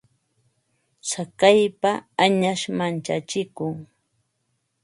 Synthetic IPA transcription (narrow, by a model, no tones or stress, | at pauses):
sakajpaːɲaʃmant͡ʃat͡ʃɪkʊŋ